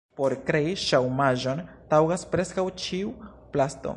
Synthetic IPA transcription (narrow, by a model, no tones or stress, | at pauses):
po̞ɾkɾe̞iʃawmaʒo̞n | tawɡaspɾe̞skawt͡ʃiu | plasto̰